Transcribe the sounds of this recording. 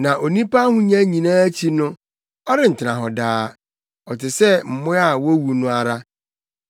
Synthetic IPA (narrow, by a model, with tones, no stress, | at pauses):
nã˨ʔo˨nĩ˦pa˦hʊ̃˦ɲã˦ɲĩ˨nãː˦t͡ɕʰi˦nʊ̃˦ | ɔ˦ɾɪ˦˨n̩˨tʰɪ˨nã˨ɦɔ˨daː˦ | ɔ˨tɪ˨sɛ˦m̩˨mʊ̃˦a˦˨wo˦wu˨nʊ̃˦a˨ɾa˦